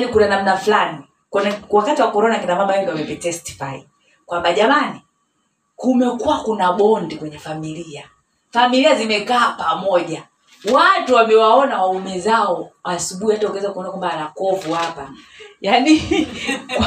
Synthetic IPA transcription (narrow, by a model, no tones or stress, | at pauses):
nikunanam̩naflani | kɛnwakatiwakɔɾɔnakinamambawɛɡiwamɛvɛtɛsti̥fai | kwambaʄamani | kumɛkuwakunaɓɔndikwɛɲɛfamilia | familiazimɛkaːpamɔʄa | watuwamɛwaɔnawaumɛzaɔasuɓuhihataukwɛzakuɔnakwambaːnakɔvuhapajani | kkw